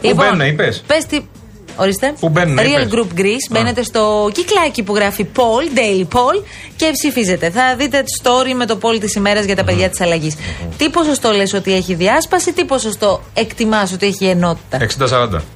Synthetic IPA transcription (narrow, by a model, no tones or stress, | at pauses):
plibennɐipespest̪i | o̞ɾist̪e̞pubennːɾiɐlɡɾupɡɾisbene̞t̪e̞st̪o̞ciklɐcipuɣɾɐfipo̞ld̪ejlipo̞l | ce̞psifize̞t̪e̞θɐðit̪̬e̞st̪o̞ɾime̞t̪o̞po̞lt̪isime̞ɾɐzʝɐt̪ɐpe̞ðʝɐt̪i̥sɐlɐʝist̪ipo̞so̞st̪o̞leso̞t̪ie̞çiðiɐspɐsit̪ipo̞so̞st̪o̞e̞kt̪imɐso̞t̪ie̞çieno̞t̪i̥t̪ɐeksind̪ɐsɐɾɐnd̪ɐ̰